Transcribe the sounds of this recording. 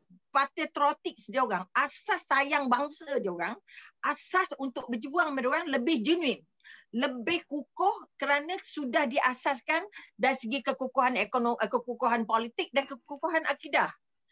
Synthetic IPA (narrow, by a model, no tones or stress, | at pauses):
pat̪et̪ɾot̪ɪk̚sdioɾaŋasasːajaŋbaŋsədioɾaŋʔasasunt̪ʊk̚bəd͡ʒuaŋmadoɾaŋləbɪhd͡ʒənũɪt̪̚ | ləbɪhkukʊhkəɾanãsudahdiʔasaskandaɾisəɡikəkukuɦanekonkəkukuɦanpolit̪ɪk̚dankəkukuɦanʔakidah